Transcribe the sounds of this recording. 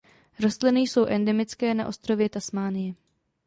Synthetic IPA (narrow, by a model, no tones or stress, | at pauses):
ɾost̪lɪnɪjso̞wʔɛndɛmɪt͡skɛːna̰ʔo̞st̪ɾo̞vjɛt̪asmaːnɪjɛ